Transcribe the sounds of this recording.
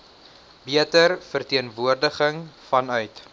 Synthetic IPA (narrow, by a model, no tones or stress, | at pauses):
biətərfərtiənvuərdəχəŋfɐnœɥt